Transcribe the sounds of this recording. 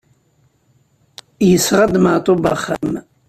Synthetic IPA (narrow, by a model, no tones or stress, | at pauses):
jəsʁad̪maʕt̪ˤoba̰χːam